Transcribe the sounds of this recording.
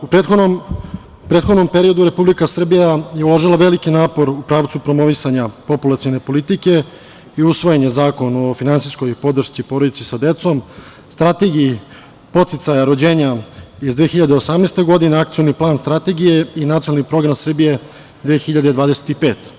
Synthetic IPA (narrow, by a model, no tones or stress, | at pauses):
upɾet̪xonm | pɾet̪xod̪no̞mpe̞ɾio̞d̪uɾe̞publikasr̩bijaje̞ulˠoʒilaʋe̞likinaːpo̞ɾupɾaːʋt̪supɾo̞mo̞ʋisaɲapo̞pulˠat̪sione̞po̞lit̪ike̞ | iusʋo̞jeɲezaːko̞nofinansisko̞jpo̞d̪r̩ʃt̪sipo̞ːɾod̪it̪sisad̪e̞t̪so̞m | st̪ɾat̪e̞ɡii | po̞t̪sit̪sajaɾo̞d͡ʑe̞ːɲaizd̪ʋexiʎad̪eosamnest̪e̞ɡo̞d̪ineak̚t̪sijo̞niplˠaːnst̪ɾat̪e̞ɡije̞inat̪ionalnipɾo̞ɡɾamsr̩bije̞ | d̪ʋeːxiʎad̪ed̪ʋaːd̪ese̥t̪ipe̞ːt̪